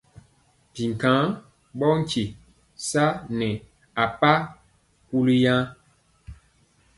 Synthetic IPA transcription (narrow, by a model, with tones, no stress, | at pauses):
pi˨ŋ˨kã˨˦ŋ | ɓɔ˦ŋ̩˦ci˨ | sa˦nɛ˨ | a˨pa˦ | ku˦li˦jã˦